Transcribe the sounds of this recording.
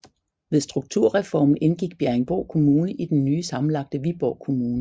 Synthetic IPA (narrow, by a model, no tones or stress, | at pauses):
ʋeðˠsd̥ʁuɡ̥̚t͡sʰuɐ̰ʁɛfɒ̰ːmn̩enɡ̥iɡ̥b̥jæɐeŋb̥ɒʊ̰kʰo̝muːnəʔid̥enːyːsɑ̈mn̩lɑ̈ɡ̥̚d̥əʋib̥ɒʊ̰kʰo̝muːnə